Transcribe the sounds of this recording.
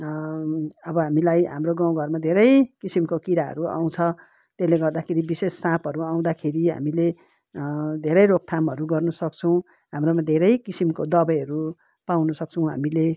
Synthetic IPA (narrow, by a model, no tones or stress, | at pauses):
ʌbʌɦamilajɦa̰mroɡãw̃ɡʱʌrmad̪ʱeɾʌjkisimkokiɾaɦʌ̰ɾua̰w̃t͡sʰʌ | t̪eleɡʌrd̪akʰeɾibisesːãpʌɾuaw̃d̪akʰeɾiɦa̰mile | d̪ʱeɾʌjɾok̚t̪ʰamɦʌɾuɡʌrnʌsʌk̚t͡sʰʌw̃ | ɦamromad̪ʱeɾʌjkisimkod̪ʌbʌjɦʌɾu | pawnʌsʌk̚t͡sʰʌw̃ɦa̰mile